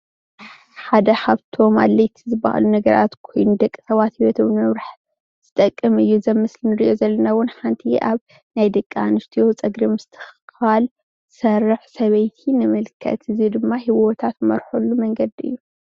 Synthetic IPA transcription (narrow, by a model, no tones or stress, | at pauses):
ħad̪ɐhaβt̪ʰo̞ma̰lːejt̪ʰizɨba̰ʔa̰lunɐɡɐɾʔa̰t̪kʰo̞jnud̪ɐkʼːi̥sɐβat̪hiwot̪ɨβmɨβɾaħ | z̥ɨt̪ʼɐkʼːɨmɨjːuzɐmːɨslinɨɾiʔo̞zɐlːɐnawʊnħant̪ʰiʔaβ | najd̪ɐkʼːianɨst̪ʰijo̞t͡sʼɐɡɾimɨst̪ʰɨ̥xxal | sɐrːɨħsɐβɐjt̪ʰinɨmɨlkʰɐ̰t̪ɨzid̪ɨmːahiwot̪ʰat̪mɐ̰ɾħolːumɐŋɡɐd̪iɨ̰jːu